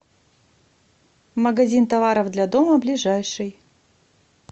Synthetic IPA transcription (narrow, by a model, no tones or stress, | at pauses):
məɡɐzʲint̪ɐvaɾəvd̪lʲad̪oməblʲɪʐajʂɨj